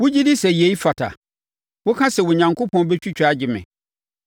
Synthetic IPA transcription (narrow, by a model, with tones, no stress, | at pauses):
wʊ˦d͡ʑi˦dɪ˦sɛ˨je˨i˦fa˨tʰa̰˨ | wʊ˦kʰã˦sɛ˨wʊ˨ɲã˨ŋko˦pʰɔ̃˦n˦bɛ˦t͡ɕᶣu˦t͡ɕᶣa˨˦d͡ʑɪ˨mɪ̰̃˨